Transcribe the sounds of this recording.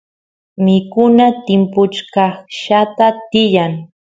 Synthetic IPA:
mɪkʊnat̪ɪmpʊt͡ʃkɑχʃat̪at̪ɪjaŋ

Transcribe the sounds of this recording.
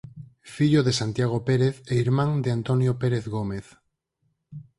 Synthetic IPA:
fiʎoðesant̪jaɣ̞opeɾeθeiɾmãŋd̪eant̪onjopeɾeθɣomeθ

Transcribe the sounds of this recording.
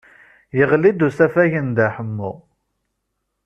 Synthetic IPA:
jəʁlid̪usæfæʝənd̪æħəmːṵ

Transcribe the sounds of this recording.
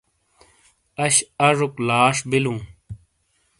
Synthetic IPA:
ɐɕɐʐuklaːʂbilũː

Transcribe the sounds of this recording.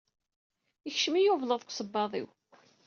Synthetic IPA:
əçʃəmijʊvləðˤkʷsˤəbːɑðˤḭw

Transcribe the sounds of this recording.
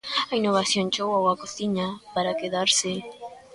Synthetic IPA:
ainːoβaθjoŋt͡ʃowawakoθiɲapaɾakeðaɾsɪ

